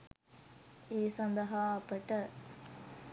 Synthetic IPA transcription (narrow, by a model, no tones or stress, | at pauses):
eːsɐnd̪ɐɦaːɐpːɐʈːɐ